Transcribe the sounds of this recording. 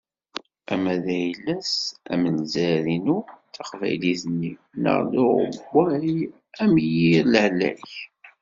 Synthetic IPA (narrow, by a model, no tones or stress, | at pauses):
æmæðæjəlːæsæ̰mənzæðinuθæχvæ̰jliθənːinə̰ʁlʊʁə̰bːæ | æmjiɾlʕlæ̰ç